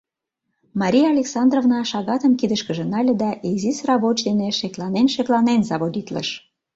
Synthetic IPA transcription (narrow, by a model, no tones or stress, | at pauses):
mɑɾʲijɑɑlʲeksɑnd̪rovnɑʃɑɣɑt̪əmkid̪əʃkəʒĕnɑlʲed̪ɑʔezisrɑβot͡ɕd̪eneʃeklɑnenʃeklɑnenzɑβod̪ʲit̪lə̰ʃ